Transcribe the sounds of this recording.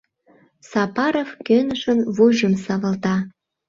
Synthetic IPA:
sɑpɑɾofkønəʃənβuʒə̆msɑβə̆lt̪ɑ

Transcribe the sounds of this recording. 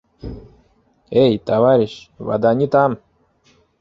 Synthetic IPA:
ejt̪avaɾʲɪɕva̰d̪anʲit̪am

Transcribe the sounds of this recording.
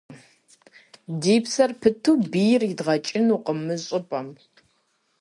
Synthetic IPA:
diːpsɐrpʰɨtʰubijrjɪdʁɐt͡ʃʼɪnuqəmɨɕʼɨpʼɐm

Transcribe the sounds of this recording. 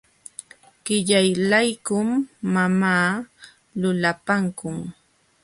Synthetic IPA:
ɢ̥ɪʎajlajkʊmːamaː | lʊlapaŋkʊŋ

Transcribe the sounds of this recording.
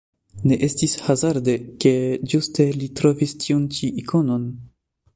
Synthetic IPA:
ne̞ʔe̞stishazaɾdeke̞d͡ʒuste̞litɾo̞vistʰiunt͡ʃiʔikʰo̞no̞n

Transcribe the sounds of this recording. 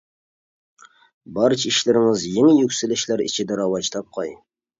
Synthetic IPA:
bɑɾt͡ʃiʃlɪɾɪŋɪzjɪŋjykʲsɪlɪ̆ʃlæɾḭt͡ʃʰɪd̪æɾɑwɑt͡ʃt̪ʰɑp̚qʰɑj

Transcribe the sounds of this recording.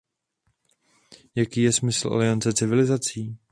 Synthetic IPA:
jakiːjɛsmɪsl̩ʔa̰lɪant͡sɛt͡sɪvɪlɪzat͡siː

